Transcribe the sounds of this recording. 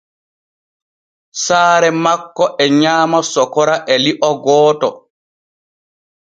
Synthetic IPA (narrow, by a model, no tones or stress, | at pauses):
saːɾɛmakːɔʔɛɲaːmasɔkɔɾaʔɛliʔɔɡɔːtɔ̰